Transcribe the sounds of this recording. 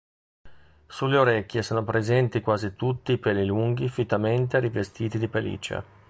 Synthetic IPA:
sulːeoɾekʲːjesoːnopɾezɛnt̪ikwaːzit̪ut̪ːiːpɛliluŋɡifit̪ːament̪eɾivest̪iːt̪id̪ipelḭt͡ʃa̰

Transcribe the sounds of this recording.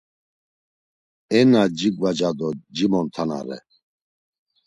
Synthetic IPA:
ɛnad͡ʒiɡvad͡ʒad̪ɔd͡ʒimɔnt̪ʰana̰ɾɛ̰

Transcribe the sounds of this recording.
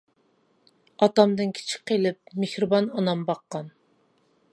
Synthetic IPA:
ɑt̪ɑmd̪ɨnkʲʰi̥t͡ʃʰɪ̥qʰːelɪp̚mehɾɨbɑnɑnɑmbɑqːɑn

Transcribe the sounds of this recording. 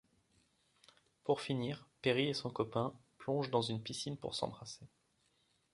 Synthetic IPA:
puʁfiniːʁpeʁiesɔ̃kɔpɛ̃plɔ̃ʒd̪ɑ̃zynpisinpṵʁsɑ̰̃bʁase

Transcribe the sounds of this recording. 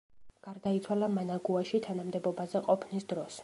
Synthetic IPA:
ɡ̥aɾd̪ait̪sʰwalamanaɡuaʃit̪ʰanamd̪ɛbɔbazɛqʼɔpʰnisd̪ɾɔs

